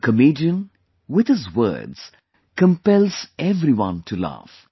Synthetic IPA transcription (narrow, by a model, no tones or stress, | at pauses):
kʰəmeːdiə̃n | wɪd̪ɪzwə̰ːdz̥ | kə̃mpɛlˠz̥ɛvɾiwʌ̰̃ntʰula̰f